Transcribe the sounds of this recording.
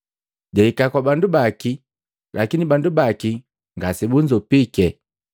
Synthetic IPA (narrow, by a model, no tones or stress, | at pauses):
ɟaikakwabandubaki | lʔakinibandubaki | ŋɡasibund͡ʒɔpikɛ